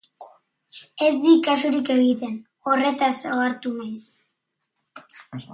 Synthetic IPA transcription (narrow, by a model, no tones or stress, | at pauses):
e̞zd̪ikasuɾike̞ɣit̪e̞n | o̞re̞t̪asoaɾt̪unajs